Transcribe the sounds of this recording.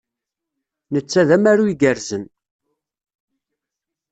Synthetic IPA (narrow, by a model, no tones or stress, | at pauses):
nət͡sːæðæmæɾuiɡəɾzən